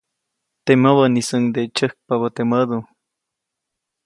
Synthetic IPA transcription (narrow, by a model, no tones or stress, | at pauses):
t̪eməβənisəŋd̪et͡ʃəhk̚paβət̪eməd̪u